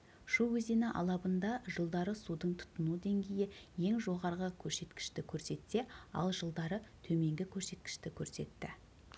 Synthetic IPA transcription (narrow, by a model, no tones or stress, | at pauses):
ʃuwɵzenɪʔɑ̰lˠɑbənd̪ɑʒəlˠd̪ɑɾəsud̪əɴt̪ʰʊ̥t̪ːənud̪e̞ŋɡʲe̞jɪje̞ŋʒo̞ʁɑɾʁəkʲʰɵɾse̞t̪kʲɪ̥ʃt̪ɪkʲʰɵɾse̞t̪se̞ɑ̰lˠʒəlˠd̪ɑɾət̪ʰɵme̞ŋɡʲɪkʲʰɵɾse̞t̪̚kʲɪ̥ʃt̪ɪkʲʰɵɾse̞t̪ːɪ